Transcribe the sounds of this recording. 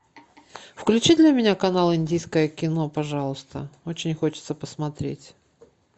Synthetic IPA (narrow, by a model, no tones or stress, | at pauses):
fklʲʉt͡ɕid̪lʲɐmʲɪnʲakɐnalˠɪnʲdʲijskəjəkʲɪno̞pɐʐɑlˠʊst̪ə̰o̞t͡ɕɪnʲxo̞t͡ɕɪ̥t̪səpəsmɐt̪ɾʲḛtʲ